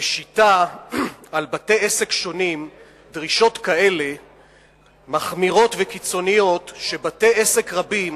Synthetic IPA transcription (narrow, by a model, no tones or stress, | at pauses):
eʃita | albate̞jese̞kʃo̞nim | dʁiʃo̞t̪kae̞le̞ | maχmiʁo̞t̪vekit͡so̞nijo̞t̪ʃe̞bate̞ese̞kʁabim